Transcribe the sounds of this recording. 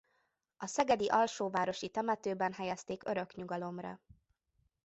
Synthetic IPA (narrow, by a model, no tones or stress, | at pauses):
ɒsɛɡɛd̪iʔɒlʃoːvaːɾo̞ʃit̪ɛmɛt̪øːbɛnɦɛjɛst̪eːkø̞ɾø̞kɲuɡɒlo̞mrɒ̰